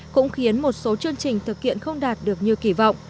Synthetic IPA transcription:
kʊ̰˧˥ŋ͡mxi˨˦ənmo˨˩t̚so˨˦t͡ɕɨ˧əŋt͡ɕï˨˩ŋ̟t̪ʰɨ˨˩k̚hḭ˧˨ənxə˧wŋ͡mɗaː˨˩t̚ɗɨ˨˩ək̚ɲi˨˩əwki˧˩vɔ̰˧˨wŋ͡m

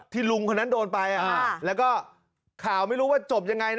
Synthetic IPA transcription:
t̪ʰiː˥˩lu˧ŋkʰɔ˧˥nːa˦˥ndoː˧npa˧jʔaː˨˧lɛː˦˥wkɔː˥˩ | kʰaː˨˩˦wma˥˩jɾuː˦˥waː˥˩t͡ɕo˨˩p̚ja˧ŋːa˧jn

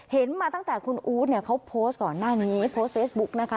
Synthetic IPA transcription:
he˨˩˦nmaː˧t̪a˥˩ŋt̪ɛː˨˩kʰu˧nʔuː˦˥t̪̚ni˥˩ɐkʰa˦˥wpʰoː˦˥st̪̚kɔː˨˩nːaː˥˩niː˦˥pʰoː˦˥st̚fʰeː˦˥sbu˦˥k̚na˦˥kʰa˦˥

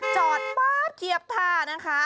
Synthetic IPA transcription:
t͡ɕɔː˨˩t̪̚baː˥˩kʰi˨˩əp̚t̪ʰaː˧na˦˥kʰa˦˥

